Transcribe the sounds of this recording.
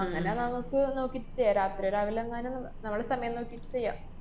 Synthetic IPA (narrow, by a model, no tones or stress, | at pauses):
ɐŋːɐnenɐmukːɨno̞ːkːiʈːɨ̥t͡ɕejːaɾaːt̪rioɾaːʋilɐŋːɐnennɐmːuɭɽesɐmɐjɐmno̞ːkːijitːɨ̥t͡ɕe̞jːa̰ːm